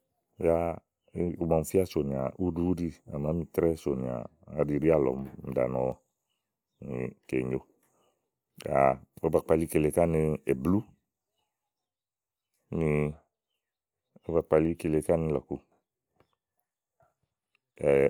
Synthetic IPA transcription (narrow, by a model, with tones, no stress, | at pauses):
ja˦ | u˨ma˨m̩˨fi˦a˦so˨nĩ˨a̰˨ʔu˦du˦di˧a˨ma˨˦mĩ˨t̪ɾɛ˦so˨ni˨a̰˨ | a˨di˨ɾi˦a˦˨lɔ̰˨mm̩˨da̰˨nɔ˨ | nḭ˨ke˨ɲo˦ | ja̰˨o˦ba˨k͡pa˨li˦ke˨le˨ka˦ni˧e˨blu˦ | ni˧ | o˦ba˨k͡pa˨li˦ke˨le˨ka˦ni˦lɔ˨ku˨ | ɛ˨